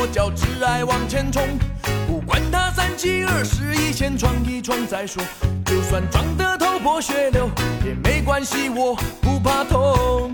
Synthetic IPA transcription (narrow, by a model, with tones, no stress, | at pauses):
t͡ɕjɑ˨˩ʊʈ͡ʂɻ̩˥a˥ɪwɑ˨˩ŋt͡ɕʰjɛ˥nʈ͡ʂʰʊ˥ŋpu˥˩kwa˥nt̪ʰa˥sa˥nt͡ɕʰi˥ə˞˥˩ʂɻ̩˧˥i˥ɕʰjɛ˥nʈ͡ʂʰwɑ˥ŋki˥ʈ͡ʂʰwɑ˥ŋt͡sa˧˥ɪʂwɔ˥t͡ɕjo˥˧ʊswa˥˩nʈ͡ʂwɑ˧˨˥ŋt̪ə˧t̪ʰo˥ʊpʰɔ˧˥ɕɥɛ˧˥ljo˧˥ʊjɛ˨˩me˧˥ɪkwa˥nɕi˧wɔ˨˩pu˧˩pʰa˥˧t̪ʰo˥